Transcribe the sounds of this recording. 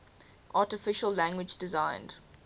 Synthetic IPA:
ʔɑːˑtɪfɪʃəllæ̃ŋɡwɪd͡ʒdɪzãɪ̃nd̥

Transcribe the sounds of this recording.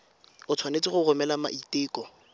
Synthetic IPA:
ʊt͡sʰwanet͡sʼɪχʊɣʊmɛlama̰ʔitɪːkʼɔ

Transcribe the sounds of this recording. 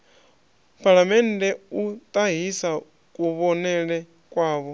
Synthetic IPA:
pʰʼaɺamɛndɛut̪ʼaɦisa | kʼuβɔnɛɺɛ | kʼwaːβɔ

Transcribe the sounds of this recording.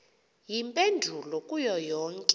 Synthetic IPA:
jimpʼendʱulɔkʼujɔjɔːŋkʼɛ

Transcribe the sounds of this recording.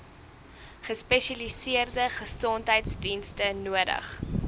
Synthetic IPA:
χəspɛʃɐlisiərdəχəsɔntɦəjtsdinstənuədə̰χ

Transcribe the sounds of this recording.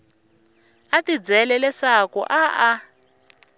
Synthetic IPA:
atid͡zɛlɛlɛsakɔ̰ʔaʔa

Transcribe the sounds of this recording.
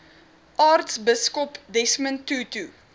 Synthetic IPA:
ʔɑːrtsbɪskɔpdɛsmə̃ntːutu

